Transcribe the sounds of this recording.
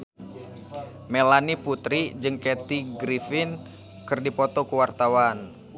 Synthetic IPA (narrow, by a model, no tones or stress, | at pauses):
melaniput̪ɾid͡ʒɨŋkɛt̪iɡɾifɪn | kɨrdipɔt̪ɔkuwart̪awan